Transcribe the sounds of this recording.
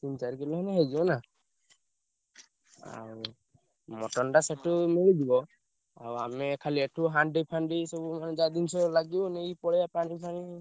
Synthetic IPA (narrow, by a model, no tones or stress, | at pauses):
t̪int͡ʃaɾkelɔɦɔnɛɦed͡ʒiɔna | a̰w | mɔʈɔnʈasɛʈumiɭid̪ibɔ | a̰wamɛkʰaliɛʈʰuɦaɳɖipʰanɖisɔbumand͡ʒad̪insɔlaɡibɔneipɔɽɛapanipʰani